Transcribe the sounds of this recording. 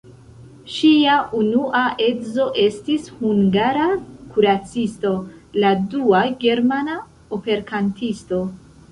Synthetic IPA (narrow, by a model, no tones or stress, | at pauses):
ʃiaʔunuʔaʔe̞zo̞ʔe̞stishuŋɡaɾakuɾat͡sisto̞laduaɡe̞ɾmana | ope̞ɾkʰantʰisto̞